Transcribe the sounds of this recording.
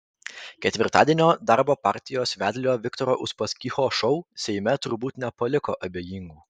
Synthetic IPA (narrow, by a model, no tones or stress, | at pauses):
kʲɛt̪ʲʋʲɪɾt̪ɑːd̪ʲiɛnʲoːd̪ɑɾboːpɑˑɾʲt̪ʲɪjoːsʋʲæːd̪ʲlʲoːʋʲɪkt̪ɔːɾoːʔʊʃpɐskʲixoːʃɔʊsʲɛɪmʲɛt̪ʊɾbuːt̪nʲɛpɐlʲɪko̰ːʔɐbʲeːjiːŋɡuː